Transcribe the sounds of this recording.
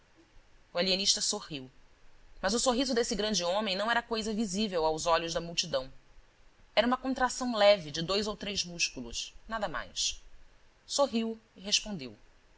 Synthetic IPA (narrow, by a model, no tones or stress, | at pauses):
ualieniʃt̪ɐsohiw | mɐzʊsoɦizʊd̪esɪɡɾɐ̃nd͡ʒɪõmẽj̃nɐ̃w̃ɛɾɐkojzɐvizivewawzɔʎʊzd̪ɐmuwt͡ʃid̪ɐ̃w̃ | ɛɾɐũmɐkõnt̪ɾasɐ̃w̃lɛvɪd͡ʒɪd̪ojzowt̪ɾejzmuʃkulṵʃnad̪ɐma̰js | soɦiwiɦeʃpõnd̪ḛw